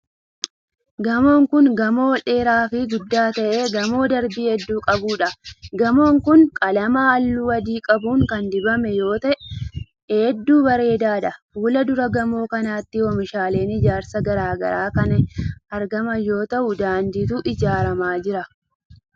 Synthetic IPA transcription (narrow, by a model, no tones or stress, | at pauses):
ɡɐmo̞ːŋkʊŋɡɐmo̞ːᶑe̞ːɾaːfɪɡʊd̪ːaːt̪ɐʔe̞ːɡɐmo̞ːd̪ɐɾbiːhɛd̪ːuːkʼɐbuːᶑɐɡɐmo̞ːŋkʊŋkʼɐlɐmaːɐlːuːwɐd̪iːkʼɐbuːŋkɐnd̪ɪbɐmɛjo̞ːt̪ɐʔɛː | d̪ːuːbɐɾe̞ːd̪aːᶑɐfuːlɐd̪ʊɾɐɡɐmo̞ːkɐnaːt̪ːɪwɔmɪʃaːle̞ːnɪd͡ʒaːɾsɐɡɐɾaːɡɐ̰ɾaːkɐnɐɾɡɐmɐjo̞ːt̪ɐʔʊd̪aːnd̪iːt̪uʔɪd͡ʒaːɾɐmaːd͡ʒɪɾɐ